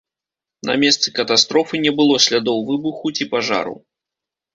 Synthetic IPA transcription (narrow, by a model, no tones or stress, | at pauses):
nɐ̰mʲɛst̪sɨkɐt̪ast̪ɾɔfɨnʲɛbɨlˠɔsʲlʲad̪ɔwvɨbuxut͡sʲipaʐa̰ɾṵ